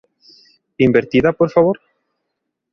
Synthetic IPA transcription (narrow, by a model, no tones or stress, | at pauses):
imbeɾt̪iðapoɾfaβ̞oɾ